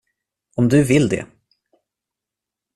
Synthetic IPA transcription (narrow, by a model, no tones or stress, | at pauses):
ɔmd̪ɵvɪld̪ɛ̰